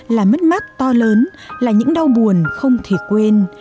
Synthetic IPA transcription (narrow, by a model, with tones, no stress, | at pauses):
laː˨˩mə˦˥t̚ma˦˥t̚t̪ɔ˧ləː˨˦n | laː˨˩ɲɨ̰˧˥ŋɗa˧wɓu˨˩ənxə˧wŋ͡mt̪ʰi˨˧˩kwe˧n